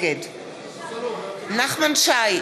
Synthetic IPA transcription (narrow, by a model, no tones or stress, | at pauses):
ɡɪd | naχmanʃaj